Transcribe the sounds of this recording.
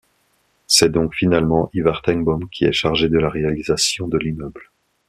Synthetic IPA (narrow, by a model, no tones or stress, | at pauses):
sɛd̪ɔ̃kfinalmɑ̃ʔivaʁt̪ɛŋbɔmkʲʰiɛʃaʁʒed̪əlaʁealizasjɔ̃d̪əlimœbl